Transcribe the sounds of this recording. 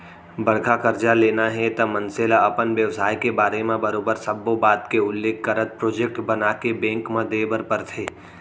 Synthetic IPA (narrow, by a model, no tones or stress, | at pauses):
bɐɽ̤kʰakɐɾd͡ʒaleːnaɦɛt̪ɐmɐ̃nseːlaɐpənʋjɐʋsaːjkebaːɾemẽbɐɾoːbəɾsɐbːobaːt̪keʊlːeːkːɐɾət̪̚pɾoːd͡ʒek̚ʈbɐnaːkebɛ̃ːŋkmãd̪eːbəɾpəɾt̪ʰeː